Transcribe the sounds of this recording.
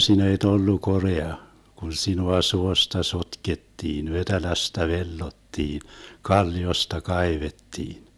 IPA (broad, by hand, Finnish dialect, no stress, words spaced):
sinæ et olːu koreɑ kun sinuɑ suostɑ sotketːiːn ʋetelæstæ ʋelːotːiːn kɑlːiostɑ kɑiʋetːiːn